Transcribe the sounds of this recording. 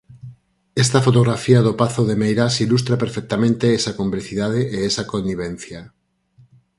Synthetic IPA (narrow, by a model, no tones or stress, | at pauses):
est̪afot̪oɣɾafiaðopaθoðemejɾasilust̪ɾapeɾfek̚t̪amẽnt̪eesakompleθiðað̞eʔeesakonnːiβ̞ẽn̟θja